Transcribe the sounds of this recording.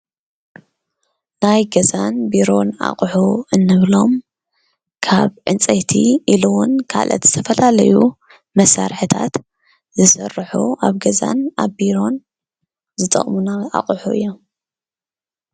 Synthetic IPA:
najɡɐzanbiɾo̞na̰χʼħuɨnːɨβlo̞m | kʰaβʕɨnt͡sʼɐjt̪ʰḭʔiluwʊnkʰa̰lʔɐ̰t̪z̥ɨ̥t̪ʰɐfɐlalɐju | mɐsaɾħɨt̪ʰa̰t̪ | zɨsɐrħṵaβɡɐza̰naβbiɾo̞n | zɨt̪ʼɐ̰χʼmunaʔa̰qʼħuʔɨ̰jːom

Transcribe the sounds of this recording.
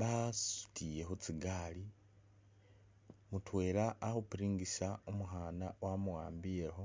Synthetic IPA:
βasu̥tʰije̞ɦut͡siɡaːli | mutwe̞ːɾaːhupiɾiːŋɡisaomuɦaːnawamuwaːmbijeho

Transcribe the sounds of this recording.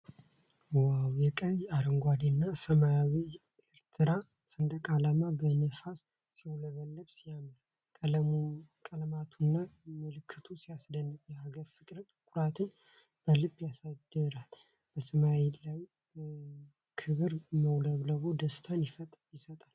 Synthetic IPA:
wawjɛkʼəjaɾəŋɡʷad̪enːasəmajawi | eɾt̪ʰɨɾa | sənd̪əkʼalamabənəfas | siwləβəlːəβsijamla | kʼəlmkʼəlmat̪ʰunːamɨlɨkʰːɨt̪ʰusiasd̪ənːɨfjɛaɡəɾfɨkʼɾət̪ʼkʼʊɾat̪ʰɨn | b̥əlɨbːjasad̪əɾal | b̥əsəmawelaj | kʰɨβɨɾməwləβləβod̪əst̪ʰanjɪfət̪ʼjɪsət̪ʼal

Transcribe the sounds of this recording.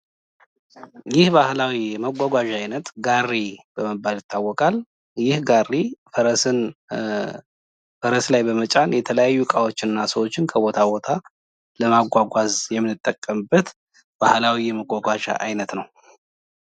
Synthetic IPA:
jɪhbahlawiɛməɡʷaɡʷaʒaajnət̪ɡarːib̥əməbːaljɪt̪ʰːawːɔkʼal | jɪhɡarifəɾəsɨn | fəɾəslajbəmət͡ʃʼanjɛt̪ʰələjajːukʼawo̞t͡ʃːɪnːasəwot͡ʃːɪnkʰəbo̞t̪ʰabo̞t̪ʰa | ləmaɡʷaɡʷazjɛmːɨnːɨt̪ʼːəkʼːəmbət̪ | b̥ahlawijɛməɡʷaɡʷaʒa̰ʔajnət̪nəw

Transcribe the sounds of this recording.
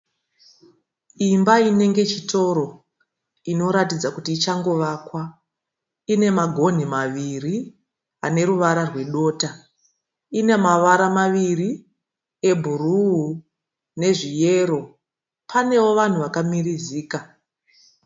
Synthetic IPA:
imbaine̞ŋɡe̞t͡ʃito̞ɾo̞ | ino̞ɾatid͡zakutiːt͡ʃaŋɡo̞ʋaːkwa | ine̞maɡʱo̞n̤imaʋiri | ane̞ɾuʋaɾarwe̞ɗo̞ːta | ine̞maʋaɾamaʋiri | e̞bʱuruɦu | ne̞ʐije̞ːɾo̞ | pʰane̞wo̞ʋan̤uʋakamiriziːka

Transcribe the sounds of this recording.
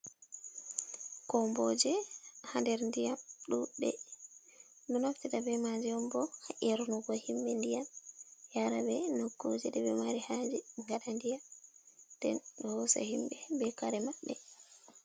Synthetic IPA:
kɔmbɔd͡ʒɛhandɛɾndijamɗuɗɛ̰ | nɔnaftiɗabɛmad͡ʒiɔmbɔhaʔɛɾunuɡɔhimbɛndijamjaɾabɛnokːud͡ʒɛɗɛbɛmaɾihad͡ʒɛŋɡaɗandijamdɛ̰nɗɔhɔsɛ̰himbɛbɛkaɾɛmaɗːɛ

